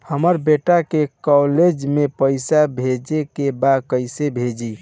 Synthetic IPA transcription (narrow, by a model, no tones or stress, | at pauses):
həməɾbeʈakekɔled͡ʒmepəɪsabʱed͡ʒekebakəɪsebʱed͡ʒi